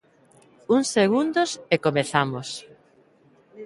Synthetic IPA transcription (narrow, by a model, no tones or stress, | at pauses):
uŋseɣund̪ʊsekomeθamos